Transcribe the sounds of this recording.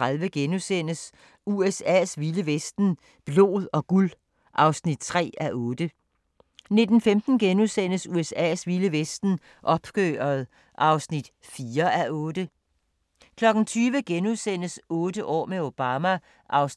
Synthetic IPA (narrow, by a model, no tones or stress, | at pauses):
ʁaðˠʋəɡ̥enusen̰əs | uesɛ̰ːsʋiləʋesd̥n̩ | b̥lo̝̰ːðˠɒ̽ɡ̥ul | ʔɑ̈ʊsnid̥̚t͡sʰʁɛ̰ːæʔɔ̽ːd̥ə | ne̝d̥n̩femd̥n̩ɡ̥enusen̰əsuesɛ̰ːsʋiləʋesd̥n̩ | ʔɒ̽b̥ɡ̥øːɐð̩ˠ | ʔɑ̈ʊsnid̥ | fiːɐʔæɔ̽ːd̥ə | kʰlɒ̽ɡ̥n̩t͡sʰyːʋəɡ̥enusen̰əsɔ̽ːd̥əʔɒ̰ːmeo̝b̥ɑːmæ | ʔɑ̈ʊs